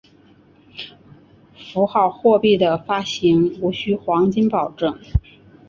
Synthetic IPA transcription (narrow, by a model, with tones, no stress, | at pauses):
fu˧˥xɑ˥˩ʊxwɔ˥˧pi˥˩d̪ə˩fa˥ɕi˧˥ŋu˧˥ɕy˥xwɑ˧˥ŋt͡ɕi˥npɑ˨˩ʊʈ͡ʂɤ˥˩ŋ